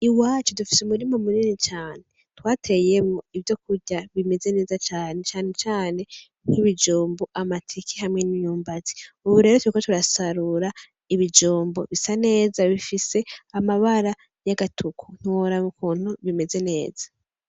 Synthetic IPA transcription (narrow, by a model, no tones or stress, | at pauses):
iwaːt͡ʃodufi̥seumuɾimomuniːnit͡ʃaːne | twaːtʰe̞jemŋoivjo̞kuɾɟaβime̞ze̞ne̞ːzat͡ʃaːne̞t͡ʃaːne̞t͡ʃaːne̞ | ŋ̥hiβid͡ʒoːmboʔamatʰikihamŋe̞nijuːmbazi̥uβuɾe̞ːɾotwuikotuɾasaɾuɾa | iβid͡ʒoːmboβisane̞ːzaβifiseamaβaɾa | jaɡatʰukʰun̥uɾamukʰuːn̥huβime̞ze̞ne̞ːz̥ḁ